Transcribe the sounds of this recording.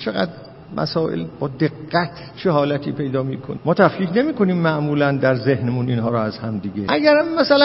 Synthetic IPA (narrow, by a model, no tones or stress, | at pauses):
t͡ʃʰeɣæ̰d̪ | mʔæ̰sɒːʔḛlb̥ɒːd̪e̞ɡːæt̪ʰt͡ʃʰeɦɒːlæt̪ʰiːpʰe̞jd̪ɒːmiːkʰo̰nmɒːt̪ʰæfkiːkne̞miːko̞niːmːæʔmuːlænd̪æɾze̞hnemuniːnɦɒːɾɔæzhæmd̪iɡeʔæɡæɾæmːæsælæ